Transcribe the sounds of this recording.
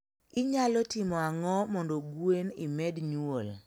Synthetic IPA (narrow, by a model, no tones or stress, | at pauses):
ɪɲalɔtɪmɔaŋɔmɔndoɡwenɪ̰mɛdɲwol